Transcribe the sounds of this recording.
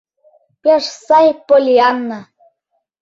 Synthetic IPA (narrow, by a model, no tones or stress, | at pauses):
pʲeʃsɑjpolʲiɑnːɤ